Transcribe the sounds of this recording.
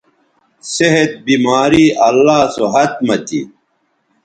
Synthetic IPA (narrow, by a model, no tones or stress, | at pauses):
seɦet̪̚bimaːɾiːɐlːaːsoɦɐt̪mɐt̪ḭ